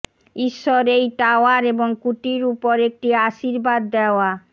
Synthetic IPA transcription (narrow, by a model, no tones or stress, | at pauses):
iʃːɔɾejʈaoaɾeboŋkuʈiɾupoɾek̚ʈiaʃiɾbad̪ːeoa